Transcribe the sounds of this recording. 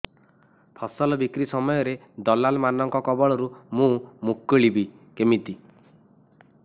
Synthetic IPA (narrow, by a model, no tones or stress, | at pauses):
pʰɔsɔlɔbikɾisɔmɔjɔɾe | d̪ɔlalmanɔŋkɔkɔbɔɭɔɾumũmukːeɭibi | kemit̪i